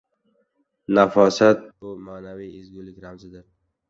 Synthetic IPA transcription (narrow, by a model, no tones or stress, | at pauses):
nafɒsat̪̚ʊmaːnawiːɪzɡulɪkʲɾamzɪd̪ɪɾ